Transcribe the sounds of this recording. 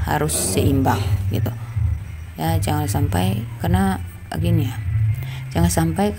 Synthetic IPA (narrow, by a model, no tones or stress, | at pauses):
ha̰ɾʊsːɛimbaŋɡḭt̪u | jad͡ʒaŋansampa̰jkarna̰ | ɡinia | d͡ʒaŋansampaj